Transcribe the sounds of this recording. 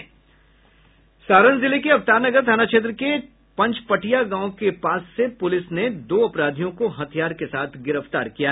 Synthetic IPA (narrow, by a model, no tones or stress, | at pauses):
saːɾənzɪlekeɐft̪aːɾnɐɡəɾd̪ʱaːnat͡ʃeːt̪̬ɾəke | pɐ̃ɲt͡ʃpɐʈijaɡãːõkepaːsːepʊlɪsned̪oːɐpɾaːd̪ʱijõkoɦɐt̪ʰijaːɾkesaːt̪ʰɡɪɾəft̪aːɾkija